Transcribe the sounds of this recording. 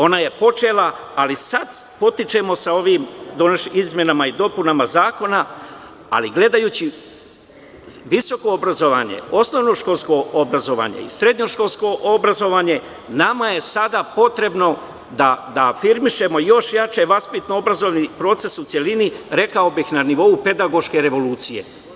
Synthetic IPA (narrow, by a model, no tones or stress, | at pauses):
o̞naje̞po̞t͡ʃelaː | lisad̪po̞t̪it͡ʃe̞mo̞sao̞ʋiːmd̪oneʃizmje̞namaid̪o̞punamazaːko̞na | a̰liɡle̞d̪ajuːt͡ɕi | ʋiso̞ko̞obɾazo̞ʋa̰ːɲe̞̰o̞sno̞ʋno̞ʃko̞lsko̞obɾazo̞ʋa̰ɲḛḭsɾe̞d̪ɲo̞ʃko̞lsko̞ʔobɾazo̞ʋaːɲe̞ | namaje̞sad̪apo̞t̪ɾe̞bno̞ | d̪ad̪afiɾmiʃe̞mo̞jo̞ʃjat͡ʃeʋaspit̪noobɾazo̞ʋnipɾo̞ːt̪se̞sut̪sje̞liniɾe̞kao̞bixnaniʋo̞upe̞d̪aɡo̞ʃke̞ɾe̞ʋo̞luːt̪sije̞̰